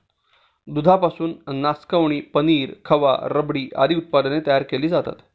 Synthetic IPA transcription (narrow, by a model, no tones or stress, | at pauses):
d̪ud̪ʱapasuːnːaskaʋɳ̃iːpəniːɾkʰəʋa̰ɾəbɽiːʔa̰ɾiːut̪̚pad̪net̪əjaɾkeliːd͡zat̪a̰t̪